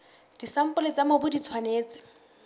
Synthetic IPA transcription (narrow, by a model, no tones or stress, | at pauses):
d̥isam̩pʼʊlet͡samobʊdit͡sʰwaneːt͡sɪ̥